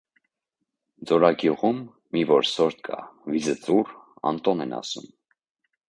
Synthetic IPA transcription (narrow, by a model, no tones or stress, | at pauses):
d͡zɔɾɑɡjuʁumː | ivɔɾsɔɾt̪kʰɑ̰vizət͡surɑ̰nt̪ɔnɛnɑ̰sṵm